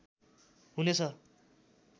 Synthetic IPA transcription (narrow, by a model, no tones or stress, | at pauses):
ɦunet͡sʰʌ